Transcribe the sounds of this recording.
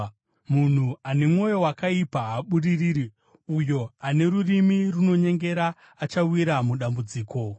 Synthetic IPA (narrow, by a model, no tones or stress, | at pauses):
mun̤uane̞mwo̞jo̞wakaipaaɓuririːɾi | ujo̞ane̞rurimiruno̞ɲe̞ŋɡe̞ɾaː | t͡ʃawiɾamuɗambud͡ziːko̞